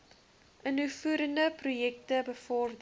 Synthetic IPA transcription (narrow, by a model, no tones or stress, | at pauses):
ʔənufuəɾəndəprujɛk̚təbəfɔrd